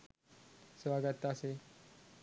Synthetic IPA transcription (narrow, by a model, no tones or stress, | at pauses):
sʋaɡət̪ase